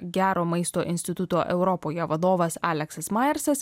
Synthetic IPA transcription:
ɡʲæːɾoːmɐɪst̪oːʔɪ̰nʲsʲt̪ʲɪt̪ʊt̪oːʔɛ̰ʊɾɔpoːjɛʋɐd̪oːʋɐsɑ̰ːlʲɛksɐsmɑːjɛɾsɐs

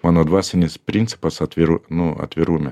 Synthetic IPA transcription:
mɑːnoːd̪ʋɑːsʲɛnʲɪspʲɾʲɪnt̪sʲɪ̥pɐsɐt̪ʲʋʲɪɾunʊɐ̰t̪ʲʋʲɪɾuːmʲɛ

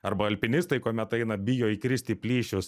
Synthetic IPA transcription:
ɐɾbɐɐlʲpʲɪnʲɪst̪ɐɪkoːmʲɛt̪ɐɪnɐbʲɪjoːikɾʲɪsʲt̪ʲiːpʲlʲiːʃʲʊs

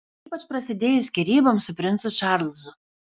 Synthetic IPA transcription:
iːpɐt͡ʃpɾɐsʲɪd̪ʲeːjʊsʲkʲiɾʲiːbɐmsʊpʲɾʲɪnt̪sʊʃɑːɾlˠʲzʊ

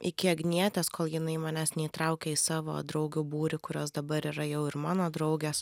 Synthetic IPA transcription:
ʔɪkʲɪɐɡnʲiɛt̪ʲeskoːlˠjɪnɐɪmɑːnʲæːsnʲɛit̪ɾɐʊkʲɛːisɑːʋo̰d̪ɾɐʊɡʲuːbuːɾʲɪkʊɾʲoːsd̪ɐbɐɾiːɾɐjɛʊɪɾmɑːnoːd̪ɾɒʊɡʲeːs

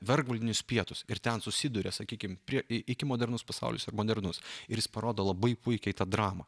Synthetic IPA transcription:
ʋʲɛɾɡʋɐlʲd̪ʲɪnʲʊspʲiɛt̪ʊsɪɾt̪ʲɛnsʊsʲɪd̪ʊɾʲɛsɐkʲiːkʲɪmpʲɾʲiɛɪɪkʲɪmoːd̪ʲɛɾnʊspɐsɑ̰ʊlʲʊ̰sɐɾmoːd̪ʲɛɾnʊsɪɾjɪspɐɾoːd̪oːlˠɐbɐɪpʊɪkʲɛɪt̪ɑːd̪ɾɑːmɐ

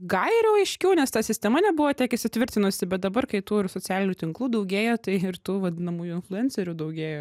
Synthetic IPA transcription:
ɡɐlɾɛʊɐɪʃʲkʲɛʊnʲɛst̪ɑsʲɪsʲt̪ʲɛmɐnʲɛbʊʋoːt̪ʲɛːkɪʃʲsʲɪt̪ʲʋʲɪɾʲt̪ʲɪnʊsʲɪbʲɛt̪̚d̪ɐbɐrkɐɪt̪uːɪrsoːt͡sʲæːlʲɪnʲuːt̪ʲɪŋklˠuːd̪ɐʊɡʲeːjoːt̪ɐɪɪrt̪uːʋɐd̪ʲɪnɐmuːjuːɪnflˠʊɛnʲt͡sʲɛɾʲuːd̪ɐʊɡʲeːjoː

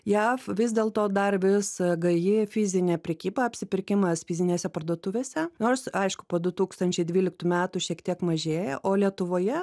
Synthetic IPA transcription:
jæːfʋʲɪs̬d̪ʲeːlˠt̪oːd̪ɐrʋʲɪsɡɐjɪfʲɪzʲɪnʲeːpʲɾʲɛkʲiːbɐɐpʲsʲɪpʲɪrʲkʲɪmɐsfʲɪzʲɪnʲeːsʲɛpɐrd̪uɔt̪ʊʋʲeːsʲɛnoːɾsɐɪʃkʊ̥poːd̪ʊt̪uːkst̪ɐnʲt͡ʃʲɛɪd̪ʲʋʲiːlʲɪk̚t̪uːmʲæːt̪ʊʃʲiɛkt̪ʲiɛkmɐʒʲeːjɛʔoːlʲiɛt̪ʊʋoːjɛ

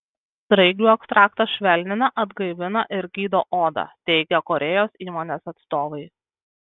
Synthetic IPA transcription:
st̪ɾɐɪɡʲuːɛkst̪ɾɑːkt̪ɐʃʲʋʲɛlʲnʲɪnɐʔɐd̪ɡɐɪʋʲɪnɐʔɪɾɡʲiːd̪oːʔoːd̪ɐ̰t̪ʲɛɪɡʲɛkɔɾʲʔɛjoːsiːmoːnʲeːsɐt̪st̪oːʋɐɪ

